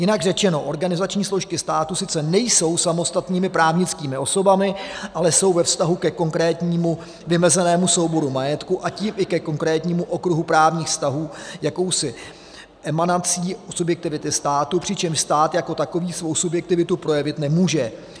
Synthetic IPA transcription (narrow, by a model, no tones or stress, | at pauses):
jɪnaɡrɛt͡ʃɛno̞ʔo̞ɾɡanɪzat͡ʃɲiːsloʃkɪst̪aːt̪usɪt͡sɛnɛjso̞wsamo̞st̪at̪niːmɪpɾaːvɲɪt͡skiːmɪʔo̞so̞bamɪʔalɛso̞wvɛfst̪aɦukɛko̞ŋkɾɛːt̪ɲiːmu | vɪmɛzɛnɛːmuso̞wbo̞ɾumajɛt̪kuʔaciːmʔɪkɛko̞ŋkɾɛːt̪ɲiːmuʔo̞kɾuɦupɾaːvɲiːxfst̪aɦuːjako̞wsɪ | ʔɛmanat͡siːsubjɛk̚t̪ɪvɪt̪ɪst̪aːt̪upr̝̥ɪt͡ʃɛmʃst̪aːt̪jako̞t̪ako̞viːsvo̞wsubjɛk̚t̪ɪvɪt̪upɾo̞jɛvɪt̪nɛmuːʒɛ